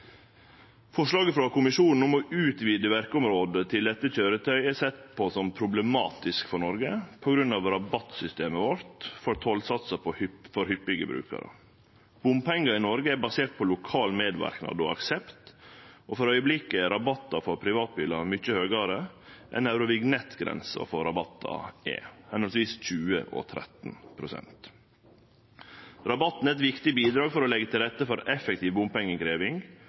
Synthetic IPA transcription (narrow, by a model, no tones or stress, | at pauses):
fɔʂlɑːɡəfɾɑkʊmɪʃuːnn̩ʊmɔʔʉːt̪ʋiːd̪əʋæɾkəʊmɾoːd̪ət̪ʰɪld̪ɛt̪ːəçøːɾət̪ʰœʏɛsɛt̪ːpʰɔsɔmpʰɾʊbləmɑ̰ːt̪ɪskfɔɳɔɾɡəpʰɔɡɾʉnːɑʋɾɑbɑt̪sʏst̪eːməʋɔɾt̪fɔɾt̪ʰolsɑt̪səpɔfɔɾhʏpːɪɡə̰bɾʉ̰ːkɑ̰ɾə̰ | b̥ʊmpɛŋɡɑɪnɔɾɡəæbɑseːʈ̪̚pʰɔlʊkʰɑːlmeːd̪ʋæ̰ɾknɑ̰d̪ɔ̰ɑ̰ksɛpt̪ʔofɔɾœʏəblɪkəɾɑbɑt̪ːɑfɔɾpʰɾɪʋɑːt̪̚biːlɑɾmʏc͡çəhøːɡɑɾə | ʔɛ̰næʉɾʊʋɪɡnɛt̪ɡɾɛ̰nsə̰fɔɾɑbɑt̪ʰːɑ̰ḛːhɛnɔlsʋiːsc͡çʉːə̰ʔo̰t̪ʰɾɛ̰t̪npʰɾʊsɛ̰nt̪ | ɾɑbɑt̪ːn̩ɛt̪ʋɪkt̪ɪbiːd̪ɾɑːɡfɔɾolɛɡət̪ʰɪlɾɛt̪ːəfɔɾɛfɛk̚t̪ʰiːʋbʊmpɛŋːəkɾeːʋɪŋ